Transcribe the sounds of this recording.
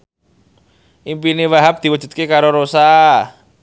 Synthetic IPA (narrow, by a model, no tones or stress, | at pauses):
ʔimpinewaɦap̚d̪̥iwu̥d͡ʒ̥ṳt̪̚kekaɾoɾosa